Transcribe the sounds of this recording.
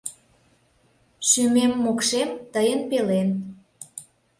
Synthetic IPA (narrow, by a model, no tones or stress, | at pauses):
ʃymemːokʃemt̪əjənpelen